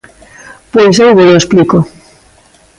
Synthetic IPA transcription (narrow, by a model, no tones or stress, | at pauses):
pojs̬ajɣoloespliko